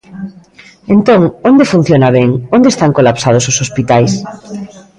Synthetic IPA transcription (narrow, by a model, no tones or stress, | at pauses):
ẽnt̪oŋõnd̪efun̟θjonaβeŋond̪est̪aŋkolapsað̞ososospit̪ajs